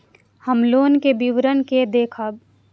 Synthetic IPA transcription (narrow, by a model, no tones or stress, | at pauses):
həmloːnkebiʋɾənked̪eːkʰaːb